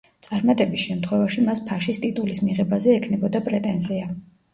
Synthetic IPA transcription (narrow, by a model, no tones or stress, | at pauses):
t̪sʼaɾmat̪ʼɛbisʃɛmt̪ʰχwɛvaʃimaspʰaʃist̪ʼit̪ʼulismiʁɛbazɛːkʰnɛbɔd̪apʼɾɛt̪ʼɛnzia